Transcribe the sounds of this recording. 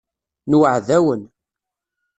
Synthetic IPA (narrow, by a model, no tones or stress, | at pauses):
nwəʕðæwən